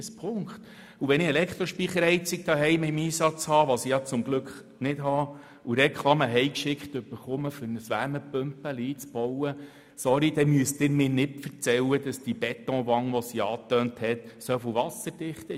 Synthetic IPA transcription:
spʰʊŋkχt̪ | uʋɛnɪɛlɛkχt̪ɾɔʃpiχəɾhɛɪt͡sɪk̚d̥̪ɑːɦɛjmɪɪmiːsɑt͡shɑːʋɑsijɑt͡sʊmɡ̥lɵkχ | nɪdɦɑː | uɾɛkʰlˠɑməɦɛjkʃɪkχt̪ɵb̥əɾχʊməfønəsʋæɾməpømpəliːt͡sb̥ɔwə | sɔɾid̥̪ɛmyəst̪ɪːɾmɪːnɪtfərt͡sɛwəd̥̪ɑsd̥ib̥ɛt̪ɔ̃ːʋɑŋʋɔsiɑːt̪øːnthɛtsœfoʋɑsəɾd̥ɪχtə

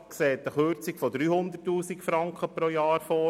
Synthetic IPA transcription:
kseːt̪əχøɾt͡sikfɔd̪ɾyːhʊnd̪ətːuːsikfɾɑŋkχəpɾojɑːɾfɔ

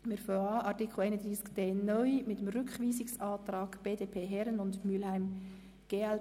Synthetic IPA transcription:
mɛɾfoɑʔɑɾtikʰl̩ɛɪnədɪskd̥eːnœʏmɪtːemrʏkχviːsɪksɑːtɾɑːɡb̥eːdeːpʰeːɦɛɾənʊndmylhæɪm | ɡ̥eːɛl

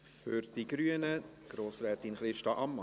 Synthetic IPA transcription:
fʏɾd̥iɡɾyənə | ɡ̥ɾoːsɾɛːtinχɾɪʃtɑʔɑmːɑ

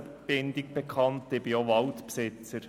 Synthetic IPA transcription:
b̥ɪnd̥ɪk̚b̥ekʰɑntɪbioʋɑʊtpsɪt͡səɾ

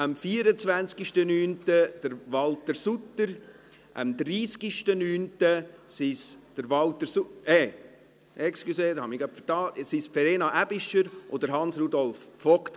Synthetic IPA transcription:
əmfiːəɾət͡svænt͡skiʃtənyːntəd̥əɾʋɑltəɾsutːəɾ | ʔə̰md̪ɾiːskiʃtənyːntəsisd̥əɾʋɑlt̪əɾsuɛ | ʔɛkskuseːhɑmiɡapfətɑːsisfɛɾeːnɑʔæb̥ɪʃəɾʔod̪əɾɦɑnsɾudɔlfːɔkt

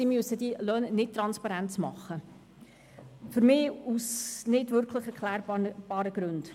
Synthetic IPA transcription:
imyəsədilœːnnɪt̚tɾɑnspɑɾæntt͡smɑχːə | fʏɾmɪːusnɪdʋʏɾkʰləχɛɾkʰlæːɾb̥ɑːɾəɡɾɵnd̥

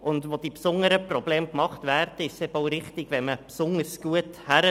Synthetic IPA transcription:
ʊnd̪ʋod̥ipsʊnəɾəprɔbleːmkmɑχt̪væːrdəɪʃsɛboʊɾɪχt̪ɪɡ̥ʋɛməpsʊnəɾsɡ̥uəthæɾə

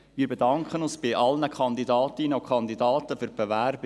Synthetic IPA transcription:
ʋiːɾbedɑŋkχənʊnsb̥ɪʔɑlnəkʰɑndidɑːtinəokʰχɑndidɑːtəfyɾb̥evæɾb

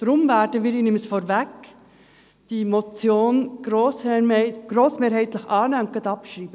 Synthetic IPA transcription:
d̪̥ɾʊmvæːɾdəʋɪːɾiːnɪməsfɔɾvɛk | d̥imot͡sjoːnɡ̥ɾoːsɛmɛɪɡ̥ɾoːsmeːɾhɛɪt̪ləχɑːnɛːʊnt̚ɡ̥ɑt̪ɑpʃɾiːb̥ə

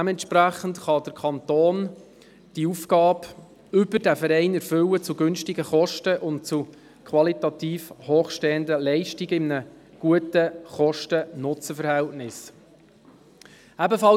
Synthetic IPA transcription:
æmɛntʃpɾæχəntχɑd̥əɾkʰɑnt̪oːn | d̥iufkɑːb | ʏbəɾdæfəɾɛɪnɛɾfʏwət͡suɡʏnʃtɪɡəχɔʃtəʔʊnt̚t͡su | kʰχʋɑlit̪ɑt̪iːfhoːχʃtɛːəndəlɛɪʃtiɡɪmnə | ɡ̥uətəχɔʃtənʊt͡səfəɾhɛltnɪs | æbəfɑ

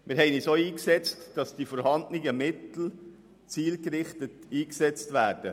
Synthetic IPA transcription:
mɪɾɦɛɪnisoːiːksɛt͡std̥ɑsd̥ifɔɾhɑndnɪɡəmɪt̪l̩ | t͡siːlkɾɪχtətiːksɛt͡stʋæːɾd̥ə

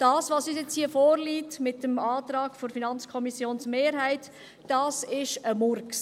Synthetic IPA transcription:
d̥ɑːsʋɑsyːsjɛt͡shiəfɔːɾliːtmɪtəmɑːt̪ɾɑːɡfoɾfinɑnt͡skʰɔmisjoːnsmeːɾɦæɪtː | ɑːsɪʃəmʊɾks

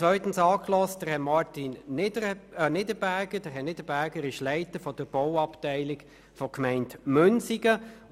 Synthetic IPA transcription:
t͡svœʏtən̩sɑːkʰlɔstd̥əʁhɛtmɑɾtinː | nɪdəbæɡ̥ədəʁɦɛtnɪdəbæːɡəɾɪʃlæɪtəfɔd̥əɾb̥ɔwɑptæɪlɪk | fɔkmɛɪntmʏnsiɡə

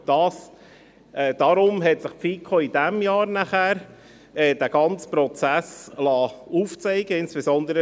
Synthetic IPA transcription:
d̥ɑːs | ɛːd̥ɑɾʊmɦɛt̪sɪχpfiːkʰoid̥̪æmjɑːɾnæχæːɾ | ɛːd̥æɡ̥ɑnt͡spɾɔt͡sæslɑːuːft͡sɛɪɡəɪnsb̥ezɔnd̪əɾə

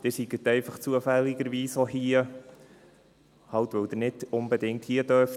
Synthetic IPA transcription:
d̥ɪsiɡət̪ɛɪfɑχt͡suəfælːɪɡəɾʋiːsɔhiə | hɑwt̪ʋœwd̥̪əɾnɪdʊnbɛd̪ɪŋk̚thiədœɾf

